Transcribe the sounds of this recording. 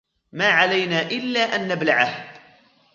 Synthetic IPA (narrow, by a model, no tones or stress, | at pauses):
maːʕalajnaːʔɪlːaːʔanːablaʕah